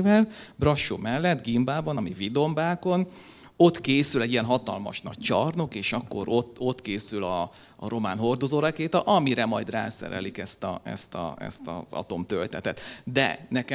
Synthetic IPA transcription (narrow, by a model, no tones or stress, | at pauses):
vɛlbrɒʃːo̰mɛlːɛt̪ɡimbaːbɒnɒmivid̪o̞mbaːko̞n | o̞t̪keːsylɛɟːijɛnɦɒt̪ɒ̰lmɒ̰ʃnɒ̰c̚t͡ʃɒrno̞keːʃɒkːo̞̰ɾot̪o̞t̪keːsylɒː | ɾo̞maːnɦo̞rd̪ozoːɾɛkeːt̪ɒʔɒmiɾɛmɒjd̪ra̰ːsɛ̰ɾɛ̰likɛst̪ɒ̰ɛ̰st̪ɒ̰ɛ̰st̪ɒ̰zɒ̰t̪o̞mt̪ølt̪ɛt̪ɛt̪d̪ɛ̰nɛk